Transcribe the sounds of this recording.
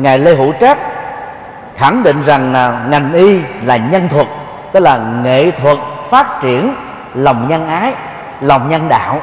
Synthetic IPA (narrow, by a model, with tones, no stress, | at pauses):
ŋaː˨˩jle˧ɦṵ˧˥t͡ɕa˦˥t̚ | xa˧˩ŋɗḭ̈˧˨ŋ̟za˨˩ŋ˩ŋa˨˩jŋ̟ʔi˧laː˨˩ɲə˧nt̪ʰwə˨˩t̚ | t̪ɨ˦˥laː˨˩ŋḛ˧˨t̪ʰwə˨˩t̚faː˦˥t̚t͡ɕi˧˩ən | la˨˩wŋ͡mɲə˧nʔaː˨˦j | la˨˩wŋ͡mɲə˧nɗa̰ː˧˨w